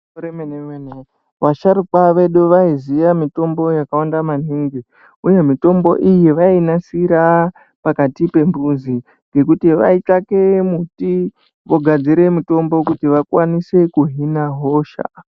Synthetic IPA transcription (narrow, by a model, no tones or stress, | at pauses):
ɾemeneen | ʋaʃaɾukaʋe̞ɗuʋaizijamito̞mbo̞jakawandaman̤iŋɡi | uje̞mito̞mbo̞̰ʔijeʋainasiɾa | pakatipe̞mbuzi | ŋɡe̞kutiʋa̰itake̞muti | ʋo̞ɡʱad͡ziɾe̞mito̞mbo̞kutiʋakwanise̞kuɦinaɦo̞ːʃa̰